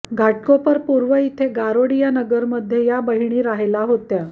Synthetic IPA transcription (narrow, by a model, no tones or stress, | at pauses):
ɡʱaʈkopəɾpuɾʋəit̪ʰeɡaɾoɽijanəɡəɾməd̪ʱːjejabəɦiɳ̃iːɾaɦelaɦot̪ja